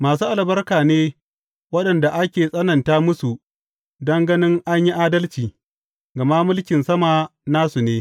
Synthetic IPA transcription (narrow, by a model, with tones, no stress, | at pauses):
maː˨s̬uː˦ʔa˨lbɐ˦rkaː˨neː˦ | wɐ˦ɗɐ˨nda˨ʔa˦kʲeː˨sʼɐ˦nɐ˨ntaː˦mʊ˦su˨ | dɐ˦ŋɡɐ˦nɪ˦ŋʔa˦ɲji˦ʔaː˦dɐ˦lt͡ʃiː˨ | ɡɐ˨maː˦mʊ˦lkʲɪ˨nsɐ˦maː˨naː˦su˨neː˦